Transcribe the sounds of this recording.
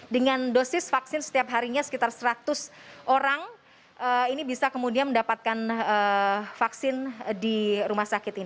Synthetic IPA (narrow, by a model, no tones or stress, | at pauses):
dəŋandosɪsfaksɪnsə̥t̪iapɦaɾiɲasə̥kit̪arsəɾat̪ʊsʔoɾaŋ | ʔəinibisakəmudianməndapat̪̚kanəfaksɪndiɾumahsakɪt̪in